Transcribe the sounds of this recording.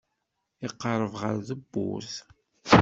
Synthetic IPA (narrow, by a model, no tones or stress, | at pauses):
ɪqːəɾˤəvʁəɾðəbːṵθ